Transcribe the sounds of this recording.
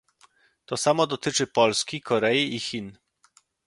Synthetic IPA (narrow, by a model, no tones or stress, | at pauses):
t̪ɔsamɔd̪ɔt̪it͡ʂɘpɔlskikɔɾɛjiʔixin